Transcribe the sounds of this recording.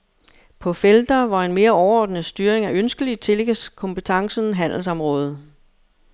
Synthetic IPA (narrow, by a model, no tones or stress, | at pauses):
pʰɒ̽feld̥ɐʋɑ̈e̝nme̝ːɐɒʊɐɒ̰ːd̥nəsd̥yːɐʁeŋæʔønsɡ̥əlit͡sʰe̝lɡæskʰɔ̽mpət͡sʰɑ̈ŋsən̩ɦæn̰l̩sɒ̽mʁɔ̽ːð̞ˠ